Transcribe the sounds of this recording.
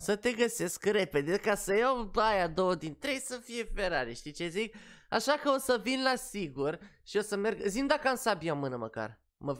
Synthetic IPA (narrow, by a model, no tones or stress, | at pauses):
sət̪e̞ɡəse̞skre̞pe̞d̪e̞kasəjawajad̪o̞wəd̪int̪ɾe̞jsəfije̞fe̞ɾaɾeʃt̪it͡ʃe̞zik̚a̰ʃakəo̞səvinlasiɡurʃio̞səme̞rɡzimd̪akəamsabiamɨnəməka̰r | mə